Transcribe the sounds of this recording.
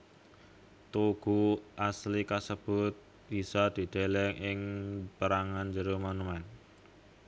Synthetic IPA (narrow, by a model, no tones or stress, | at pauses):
t̪uɡ̥uʔaslikasəb̥ʊt̪̚ | b̥isad̪̥i̤d̪̥e̤lɛŋʔɪŋpəɾaŋand͡ʒəɾomonumɛn